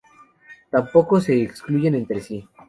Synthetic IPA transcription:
t̪ampo̞kose̞ːkskluʝe̞ne̞nt̪ɾesi

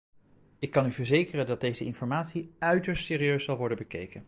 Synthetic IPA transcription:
ɪkːɑnyvəɹzejkərəndɑd̚dejzəʔɪnfɔɹmaːtsiœɥtəɹstsɪːɾiøɥssɑlˠʋɔɹdənbəkḛjkən

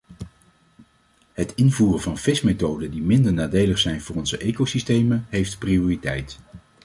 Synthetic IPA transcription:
ɦətɪnvuːrəvɑnfɪsmejtowdədimɪndəɹnaːdejləχsɛjnvʊːrɔnzəʔejkowsistejməɦejftpriʊːritɛ̰jt

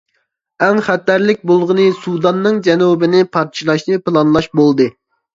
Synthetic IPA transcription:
ɛŋχæt̪ːæɾlɪk̚ʲbolˠʁənɨsud̪ɑnːɨŋd͡ʒɛnubɪnɪpʰɑɾt͡ʃʰilˠɑʃnɨpɨlˠɑnlˠɑʃbolˠd̪ɨ

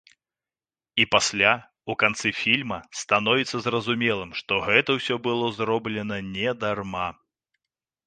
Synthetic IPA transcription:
ipasʲlʲa | ukant̪sɨfʲilʲmɐst̪anɔvʲit̪sːɐzrɐzumʲɛlˠɨmʂt̪ɔɣɛt̪ɐwsʲɔbɨlˠɔzɾɔblʲɛnɐnʲɛd̪arma

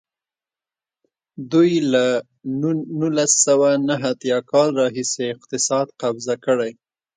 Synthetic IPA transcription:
d̪ujla | nulasːawanaɦat̪jɑkɑlɾɑɦiseɪq̚t̪ɪsɑd̪qabzakəɽaj

